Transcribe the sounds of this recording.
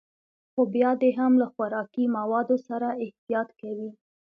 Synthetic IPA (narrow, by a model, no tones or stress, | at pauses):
xobjɑd̪eɦamlaxwaɾɑkimawɑd̪osaɾaɪht̪ijɑt̪kawi